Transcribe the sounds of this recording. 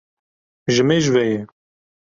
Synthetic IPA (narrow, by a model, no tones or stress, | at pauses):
ʒɨmeʒvɛjɛ